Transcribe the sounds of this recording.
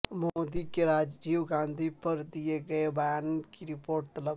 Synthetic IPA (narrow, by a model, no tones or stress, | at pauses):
moːd̪ikeɾaːd͡ʒd͡ʒiːʋɡãːnd̪ʱipəɾd̪ieɡəebəjaːnkiɾɪpoːɾʈt̪ɐlək